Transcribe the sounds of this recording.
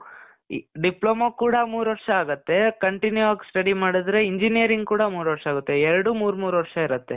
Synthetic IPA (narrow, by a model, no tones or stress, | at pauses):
ɖiploːmɐkuːɽɐmuːɾʋɐʈʂɐaːɡɐt̪ːe̞kɐɳʈinjuʋaːɡsʈɐɽimaːɽid̪ɾe̞iɲd͡ʒinijɐɾiŋɡkuːɽɐmuːɾʋɐʈʂɐaːɡut̪ːeɛɾɐɽumuːɾmuːɾuʋɐɾʂɐiɾɐt̪ːe